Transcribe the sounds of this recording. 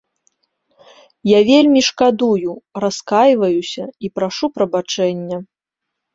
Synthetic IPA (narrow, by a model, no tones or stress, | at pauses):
javʲelʲmʲiʂkad̪ujuɾaskajvɐjusʲɐipɾaʂupɾɐbat͡ʂɛnʲːɛ